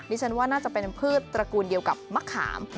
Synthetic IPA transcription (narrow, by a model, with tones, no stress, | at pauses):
diː˦˥˩t͡ɕʰa˦˥nwaː˥˩naː˥˩t͡ɕa˨˩pe˧npʰɯː˥˩t̪̚ːɾa˧kuː˧ndi˧əwka˨˩p̚ma˦˥kʰːa̰ː˩˦m